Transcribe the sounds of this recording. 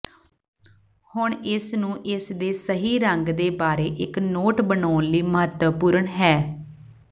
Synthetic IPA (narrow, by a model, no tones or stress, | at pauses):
hʊɳɪsnũːʔɪsd̪eːsəɦiːɾəŋɡd̪eːbaːɾeːʔɪknoːʈbənaːnliːməɦət̪wəpuːɾəɳɦɛː